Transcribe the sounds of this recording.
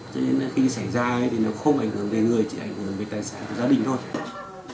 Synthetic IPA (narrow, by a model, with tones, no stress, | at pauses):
t͡ɕɔ˧ne˧na˧˦fi˧sa˧˩jzaː˧˦jt̪ʰi˨˩na˨˦wxə˧wŋ͡mʔa˧˩jŋ̟hɨ˧˩əŋve˨˩˦ŋɨ˨˩əjt͡ɕḭ˧˨ʔa˧˩jŋ̟hɨ˧˩əŋve˨˩t̪aː˨˩jsaː˨˦nka˨˩zaː˧ɗï˧˨ŋ̟t̪ʰo˧j